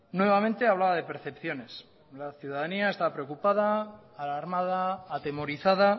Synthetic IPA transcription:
nwe̞βamẽ̞nt̪e̞aβlaβaðe̞pe̞ɾθe̞pθjo̞ne̞s | laθjuðaðaniaest̪apɾeo̞kupaðaː | laɾmaðaːt̪e̞mo̞ɾiθað̞a

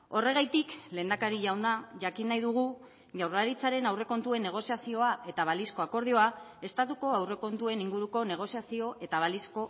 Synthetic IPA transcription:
o̞re̞ɣajt̪ikle̞ːnd̪akaɾiʎawnaʝakinajðuɣ̞u | ʝawrlaɾit͡saɾe̞nawre̞ko̞nt̪ue̞nːe̞ɣ̞o̞siasio̞aʔe̞t̪aβalisko̞ako̞ɾð̞io̞ae̞st̪at̪uko̞awre̞ko̞nt̪ue̞niŋɡuɾuko̞ne̞ɣ̞o̞siasio̞ʔe̞t̪aβ̞alisko̞

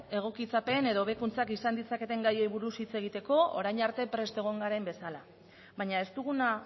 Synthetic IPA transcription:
e̞ɣ̞o̞kit͡sape̞ne̞ðo̞βe̞kunt͡sakisand̪it͡sake̞t̪e̞ŋɡaje̞jβuɾusit͡se̞ɣ̞it̪e̞ko̞o̰ɾajɲaɾt̪e̞pɾe̞st̪e̞ɣ̞o̞ŋɡaɾe̞mbe̞sala | βajɲae̞st̪uɣ̞una

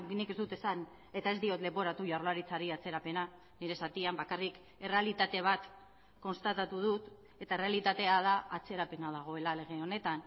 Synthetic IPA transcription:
nike̞zd̪ut̪e̞san | e̞t̪ae̞zd̪io̞t̪le̞po̞ɾat̪uʝarlaɾit͡saɾiat͡se̞ɾape̞na | niɾe̞sat̪iambakarik | e̞re̞alit̪at̪e̞β̞at̪ | ko̞nst̪at̪at̪uð̞ut̪ | e̞t̪ae̞re̞alit̪at̪e̞að̞aat͡se̞ɾape̞naðaɣ̞o̞e̞lale̞ɣ̞e̞o̞ne̞t̪an

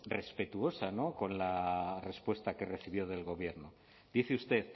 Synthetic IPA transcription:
re̞spe̞t̪uo̞sano̞ko̞nlare̞spwe̞st̪ake̞re̞θiβjo̞ðe̞lɣo̞β̞je̞ɾno | d̪̥iθeust̪e̞θ

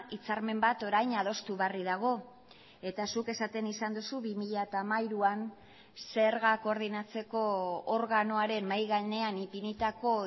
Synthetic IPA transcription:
it͡saɾme̞mbat̪o̞ɾajɲað̞o̞st̪uβarið̞aɣ̞o̞ | e̞t̪asuke̞sat̪e̞nisand̪usuβimiʎat̪amajɾuan | se̞ɾɣako̞ɾð̞inat͡se̞ko̞ːɾɣano̞aɾe̞mmajɣane̞anipinit̪ako̞

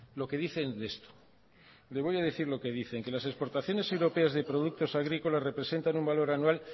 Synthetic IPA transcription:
lo̞ke̞ðiθe̞nd̪e̞st̪o̥ | le̞β̞o̞jað̞eθiɾlo̞ke̞ð̞iθe̞ŋke̞lase̞kspo̞ɾt̪aθjo̞ne̞se̞wɾo̞pe̞azðe̞pɾo̞ð̞uk̚t̪o̞saɣ̞ɾiko̞lasre̞pɾe̞se̞nt̪anumbalo̞ɾanwal

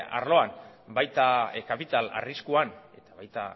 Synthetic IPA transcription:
a̰ɾlo̞anbajt̪akapit̪ala̰riskuane̞t̪aβajt̪a̰

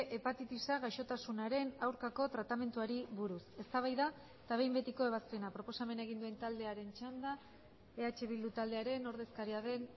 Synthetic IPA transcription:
ʔepat̪it̪isaɣajʃo̞t̪asunaɾe̞nawɾkako̞t̪ɾat̪ame̞nt̪uaɾiβuɾuse̞st̪aβajða | t̪aβ̞e̞jmbe̞t̪iko̞e̞βaspenapɾo̞po̞same̞nae̞ɣ̞ind̪ue̞nt̪ald̪e̞aɾe̞nt͡ʃand̪a | eat͡ʃe̞β̞ild̪ut̪ald̪e̞aɾe̞no̞ɾðe̞skaɾiaðe̞n

